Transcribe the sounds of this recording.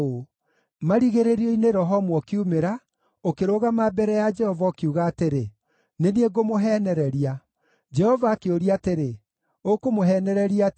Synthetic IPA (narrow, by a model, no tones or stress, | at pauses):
o | maɾiɣeɾeɾiɔineɾɔɦɔmwɔkiumeɾa | okeɾoɣamabɛɾɛjad͡ʒɛhɔvaokiuɣaːteɾe | nenieɡomoɦɛːnɛɾɛɾia | d͡ʒɛhɔvaːkeoɾiateɾe | okomoɦɛnɛɾɛɾia